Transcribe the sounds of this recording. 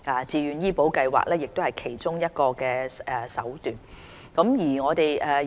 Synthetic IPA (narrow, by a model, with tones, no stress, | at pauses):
aː˨˧t͡siː˨˧jyː˨˧njiː˥po˨˥wkɐ˧jwa̰ː˨k̚lɛː˥jɪ˨k̚t̪o˥whɐ˨jkʰe˨˩jt͡sʊ˥ŋjɐ˥t̚kɔː˧kɛː˧ɛ˨sɐ˨˥wt̪yː˨n | kɐ˨˥mjiː˨˩ŋɔː˨˧t̪e˨jʔɛː˨